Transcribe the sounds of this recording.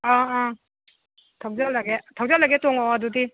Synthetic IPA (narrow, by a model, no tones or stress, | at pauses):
ɔ | tʰaw̚zalaɡetʰaw̚zalaɡetɔŋɔwadudi